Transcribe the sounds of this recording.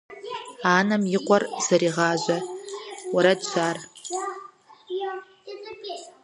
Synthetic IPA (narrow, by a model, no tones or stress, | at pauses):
anamiqʷʼarz̥aɾiʁaːʒʷa | waɾadt͡ʃʰʷar